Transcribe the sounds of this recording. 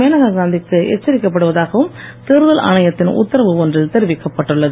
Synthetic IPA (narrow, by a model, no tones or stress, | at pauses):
eːnɐɣaɡaːnd̪ɪkːɯʔɛ̰t͡ʃːɐɾɪkːɐp̬ːɐɽɯʋɐðaːɣɐʋɯmt̪eɾɯðɐlɐ̰ɳɐjɐt̪ːɪnʊ̰t̪ːɐɾɐʋɯɔndrɪlt̪ɛɾɪʋɪkːɐpːɐʈːɯɭːɐðɯ